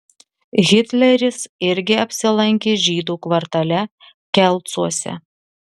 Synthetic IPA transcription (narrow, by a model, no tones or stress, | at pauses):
ɣʲɪt̪ʲlʲɛɾʲɪsɪɾʲɡʲɪɐpʲsʲɪlˠɐŋʲkʲeːʒʲiːd̪uːkʋɐɾt̪ɐlʲɛ | kʲɛlˠˑt̪suɔsʲɛ̰